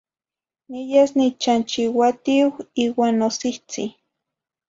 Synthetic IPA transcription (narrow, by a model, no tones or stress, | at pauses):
nijesnit͡ʃant͡ʃiwat̪iwiːwaːnːosiht͡sḭ